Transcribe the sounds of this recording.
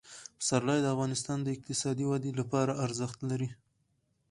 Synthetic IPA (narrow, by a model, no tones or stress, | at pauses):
saɾlɑjd̪əafɣɑnɪst̪ɑnd̪əɪq̚t̪ɪsɑd̪iwad̪elapɑɾaaɾzəxt̪laɾi